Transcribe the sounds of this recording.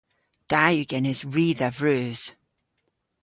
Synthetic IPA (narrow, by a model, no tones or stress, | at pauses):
d̥ajʉɡ̥ɛnɪzɹiːðəvɹʉːz̥